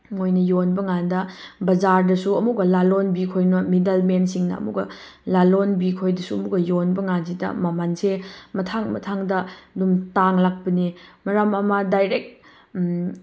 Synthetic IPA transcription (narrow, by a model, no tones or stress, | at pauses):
mojnɐjonbɐŋandɐbɐzaɾdɐsuɐmuɡɐlalonbikʰojnɐmidɐlmensiŋnɐ̰ɐ̰mṵɡɐ̰lalonbikʰojdɐsuɐmuɡɐjonbɐŋans̬ʰidɐ̰mamansemɐtʰaŋmɐ̰tʰaŋdɐdumtaŋlak̚pɐnimɐɾamɐmɐdajɾek̚